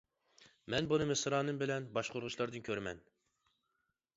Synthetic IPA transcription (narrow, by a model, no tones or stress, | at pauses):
mɛnbunɨmɨsɨɾɑːnɨmbɪlɛnbɑʃqʰʊɾʁʊʃlˠɑɾd̪ɨnkʲʰøɾmɛ̰n